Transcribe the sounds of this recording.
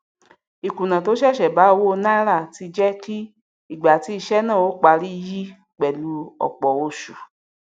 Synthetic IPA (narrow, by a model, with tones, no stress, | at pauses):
i˨kũ˨nã˨to˨˦ʃɛ˦˨ʃɛ˨ba˨˦o˧wo˦˧nã˦ɾa˦˨ti˧d͡ʒɛ˦ki˦ | i˦˨ɡ͡ba˨ti˧˦i˧ʃɛ˦nã˦˨o˨˦k͡pa˧ɾi˦˧ji˦ | k͡pɛ˨lu˧˦ɔ̰˨k͡pɔ˨o˧ʃu˨